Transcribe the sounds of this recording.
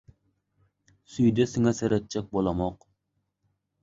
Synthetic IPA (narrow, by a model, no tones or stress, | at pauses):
syjd̪ɛsɪŋɛsɛɾɛt̪̚t͡ʃʰːɛk̚ʲbolˠɑmɑq